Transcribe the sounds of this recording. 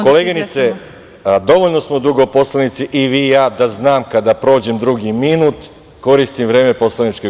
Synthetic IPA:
ko̞leɡinit̪se | d̪o̞ʋoʎno̞smo̞d̪uɡopo̞slanit̪siʔiʋiːjaːd̪aznaːmkad̪apɾo̞ːd͡ʑe̞md̪ɾuɡiminuːt̪ | ko̞ɾist̪imvɾe̞ːme̞po̞slanit͡ʃke

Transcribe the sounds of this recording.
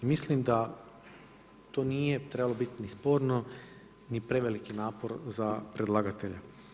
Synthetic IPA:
imislimd̪a | t̪o̞ːniːje̞t̪ɾe̞balobit̪inispo̞ːɾno̞ | nipɾe̞ʋelikinaːpo̞ɾzapɾed̪lˠaːɡat̪eʎa

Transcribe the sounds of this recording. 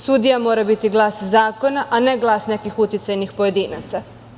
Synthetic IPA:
sud̪ijamo̞ːɾabit̪iɡlˠaːszaːko̞naʔane̞ɡlˠaːsne̞kixut̪jit̪sajnixpoje̞d̪iːnat̪sa

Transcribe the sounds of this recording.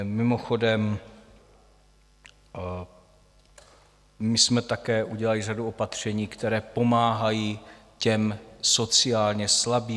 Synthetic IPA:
mɪmo̞xo̞dɛm | mɪsmɛt̪akɛːʔuɟɛlalɪraduo̞pat̪r̝̥ɛɲiːkt̪ɛɾɛːpo̞maːɦajiːcɛmso̞t͡sɪaːlɲɛslabiː

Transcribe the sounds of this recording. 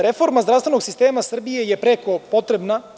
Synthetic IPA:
ɾefo̞ɾmazd̪ɾast̪ve̞noɡsist̪eːmasr̩bijejepɾeko̞po̞t̪ɾebna

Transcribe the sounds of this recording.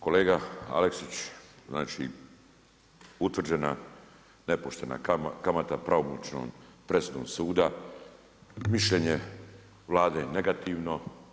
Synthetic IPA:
ko̞leːɡaa̰leksit͡ɕzna̰ːt͡ʃḭ | ut̪ʋr̩d͡ʑe̞na̰ | ne̞poʃt̪e̞na̰kamat̪apɾaomut͡ʃno̰mpɾe̞sud̪o̰msuːd̪a | miʃʎe̞ɲe | ʋlˠaːd̪ene̞ɡat̪iːʋno̞

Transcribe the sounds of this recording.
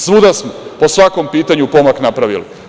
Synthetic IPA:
sʋud̪asmopo̞sʋako̞mpiːt̪aɲupo̞maknapɾaʋili

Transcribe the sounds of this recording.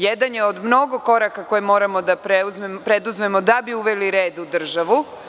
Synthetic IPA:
jed̪anjeod̪mno̞ɡo̞ko̞ɾakako̞jemo̞ːɾamo̞d̪apɾeuzmempɾe̞d̪uzme̞mo̞d̪abiuʋeliɾe̞ːd̪ud̪r̩ʒaʋu

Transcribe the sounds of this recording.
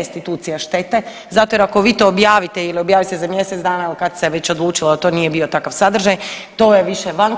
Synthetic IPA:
st̪it̪uːt̪sijaʃt̪et̪e̞ | zat̪ojeɾakoʋiːt̪o̞ːbjaːʋit̪eiliobjaːʋit̪ezamje̞set̪zd̪aːnailikad̪se̞ʋe̞t͡ɕod̪lˠuːt͡ʃilod̪at̪o̞ːnije̞bio̞t̪akaʋsad̪r̩ʒaj | t̪o̞jeʋiʃeʋan

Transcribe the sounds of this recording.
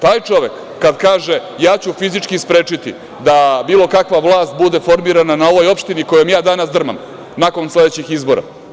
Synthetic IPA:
t̪aːjt͡ʃo̞ʋekːad̪kaːʒe | jaːt͡ɕufizit͡ʂkispɾeːt͡ʂit̪ḭ | d̪abiːlo̞kakʋaʋlˠaːst̪̚bud̪e̞fo̞ɾmiɾananao̞ʋo̞jo̞pʃt̪iniko̞jomjaːd̪anasd̪r̩ma̰m | nako̞nsle̞d̪et͡ɕixizbo̞ɾa̰

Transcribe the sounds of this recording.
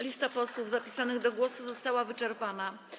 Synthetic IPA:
lʲist̪apɔswuvzapʲi̥sanɘɣd̪ɔɡwɔsuzɔst̪awavɘt͡ʂɛɾpana

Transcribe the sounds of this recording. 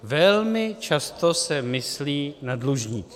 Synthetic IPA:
vɛlmɪt͡ʃast̪osɛmɪsliːnadluʒɲiː

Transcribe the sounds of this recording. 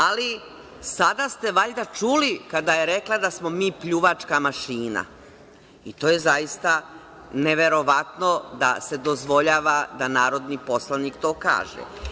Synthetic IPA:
ali | sad̪ast̪e̞ʋaʎd̪at͡ʃuːlikad̪ajeɾe̞klad̪asmo̞miːpʎuʋat͡ʃkamaʃiːna̰ | it̪oːje̞zajist̪a | neʋe̞ɾo̞ʋat̪no̞d̪a̰se̞d̪ozʋo̞ʎaːʋad̪anaːɾo̞d̪nipo̞slˠaniːkt̪o̞ːka̰ːʒḛ

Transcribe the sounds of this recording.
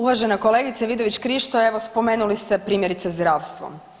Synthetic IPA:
uʋaʒe̞nako̞leːɡit̪seʋid̪oʋit͡ɕkɾiʃt̪oeʋospo̞me̞ːnulist̪epɾiːmʲjeɾit̪sezd̪ɾaːʋst̪ʋo̰m

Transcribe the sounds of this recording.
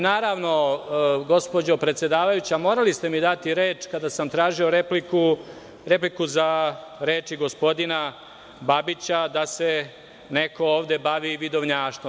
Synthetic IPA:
naːɾaʋno̞ɡo̞spo̞d͡ʑo̞pɾet̪sje̞d̪aːʋajut͡ɕamo̞ːɾalist̪e̞mid̪at̪iɾeːt͡ʃkad̪asamt̪ɾaːʒio̞ɾepliku | ɾe̞plikuzaɾe̞ːt͡ʃiɡo̞spo̞d̪ina | babit͡ɕad̪ase̞ | neko̞oːʋd̪e̞baʋiʋid̪oʋɲaːʃt̪ʋ

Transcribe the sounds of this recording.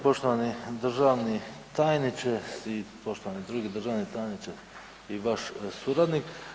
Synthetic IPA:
po̞ʃt̪oʋanid̪r̩ʒaʋnit̪ajnit͡ʃesipo̞ʃt̪oʋanid̪ɾuɡid̪r̩ʒaʋnit̪ajnit͡ʃes | iʋaʃsuɾad̪nik

